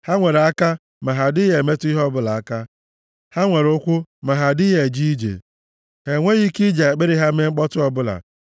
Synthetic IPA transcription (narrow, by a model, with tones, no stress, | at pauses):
ha˦ŋʷe˨ɾe˨a˦ka˦ | ma˨ɦa˨dɪ˦je˨me˦tʊ˦i˦ɦɔ˦bʊ˦la˨a˦ka˦ | ha˦ŋʷe˨ɾʊ˦kʷʊ˦ma˨ɦa˨dɪ˦je˨d͡ʒi˦d͡ʒḛ˨ | he˨ŋʷe˦ɣi˦ki˦d͡ʒa˨e˨k͡pe˦ɾɪ˦ɦa˦me˦ŋ͡m̩˦k͡pɔ˦tʊ˦ɔ˨bʊ˦la̰˨